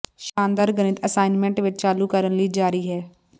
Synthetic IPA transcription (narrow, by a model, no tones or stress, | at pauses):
ʃãːnd̪əɾɡənɪt̪əsaːɪnmɛ̃ɳʈʋɪt͡ʃt͡ʃaːlukəɾənliːd͡ʒaːɾiːɦɛː